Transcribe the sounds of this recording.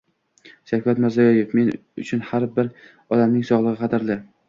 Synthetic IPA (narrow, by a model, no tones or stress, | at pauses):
ʃakvat̪mɪɾzajɒjefme̞nʊt͡ʃʰʊnhaɾbɪɾ | ɒd̪amnɪŋsɒʁlˠɨʁɨqʰɑd̪ɪɾlɪ